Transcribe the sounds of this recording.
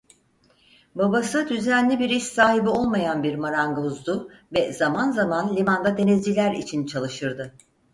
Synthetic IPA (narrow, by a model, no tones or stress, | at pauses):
babasɯd̪yzænlʲibiɾiʃsaːɦibio̞lˠmajanbiɾmaɾaŋɡauzd̪ʊvɛzamanzamanlʲimand̪ad̪e̞nizd͡ʒilʲæɾḭt͡ʃʰint͡ʃʰalˠɯʃɯɾd̪ɯ